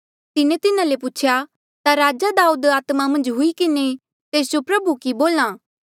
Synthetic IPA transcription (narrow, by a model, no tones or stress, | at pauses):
t̪ɪnẽt̪ɪnãlepʊt͡ʃʰja | t̪aɾaːd͡ʒad̪aːuːd̪aːt̪mamɐ̃nd͡ʒɦʊikɪne | t̪eːsd͡ʒopɾɐbukiboːlãː